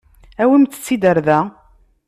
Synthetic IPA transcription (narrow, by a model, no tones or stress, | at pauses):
æwimt͡s̪ːə̥t͡sːid̪əɾðæ